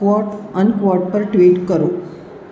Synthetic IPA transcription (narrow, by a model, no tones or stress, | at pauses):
ʋɔʈənkʋɔɾʈpəɾʈʋiːʈkəɾo